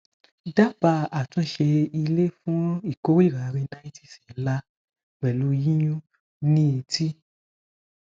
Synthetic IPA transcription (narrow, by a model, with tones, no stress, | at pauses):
da˦ba˧a˨tũ˧˦ʃe˧i˧le˦fũ˦i˦˨ko˦ɾi˦˨ɾa˨˦ɾi˧na˦i˦ti̥˦˨sĩ˨˦la˦ | wɛ˨lu˧˦ji˦jũ˦ | nĩ˦e˧ti˦